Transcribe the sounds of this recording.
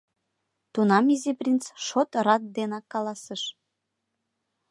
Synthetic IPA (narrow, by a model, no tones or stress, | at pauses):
t̪unɑmizʲeprʲint͡sʃot̪rɑt̪̚d̪enɑkːɑlɑsəʃ